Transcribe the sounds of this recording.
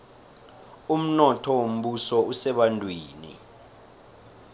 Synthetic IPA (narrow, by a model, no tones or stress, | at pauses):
um̩nɔtʰɔwom̩ɓusɔusɛɓantʼweːnḭ